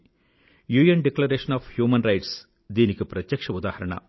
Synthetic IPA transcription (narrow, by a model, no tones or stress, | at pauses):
juːijɐnɖeklɐɾeːʂɐnaːfhjuːmɐnɾɐjʈs | d̪iːnikupɾɐt̪jɐkʂɐud̪aːhɐɾɐɳɐ̰